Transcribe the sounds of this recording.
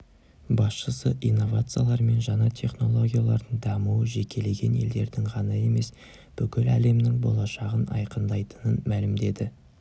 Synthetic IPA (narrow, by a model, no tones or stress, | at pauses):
bɑsʃəsəʔijnːo̞vat̪sɨjalˠɑɾme̞nʒɑɴɑt̪ʲʰe̞χno̞lˠo̞ɡʲijalˠɑɾd̪əɴd̪ɑmuwəʒe̞kʲʰe̞le̞ɡʲe̞̰nje̞̰ld̪e̞ɾd̪ɪŋʁɑnɑe̞me̞s | b̥ʏkʲɪlæle̞mnɪŋbo̞̰lˠɑʃɑʁənɑ̰jqənd̪ɑjt̪ə̥nənmælɪmd̪e̞d̪ɪ